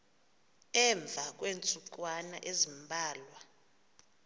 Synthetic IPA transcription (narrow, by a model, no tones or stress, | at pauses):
ɛɱb̪vʱak̬ʼwent͡sʼuǃʼwana̰ʔezimbʱaːlwa